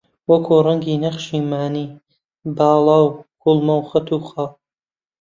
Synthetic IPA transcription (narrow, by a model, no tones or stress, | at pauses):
wɐkʰuːrɐŋɡiːnɐχʃiːmaːniː | baːlˠɑːwkʰulˠmɐwχɐt̪ʰuːxaw